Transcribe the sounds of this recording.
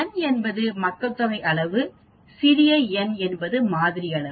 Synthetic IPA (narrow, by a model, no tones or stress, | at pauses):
ɛnɛnbɐðɯmɐkːɐt̪ːɐʋɐɪʔɐɭɐʋɯ | sɪɾɪjɐɛnɛnbɐðɯmaːðɪɾɪjɐɭɐɯ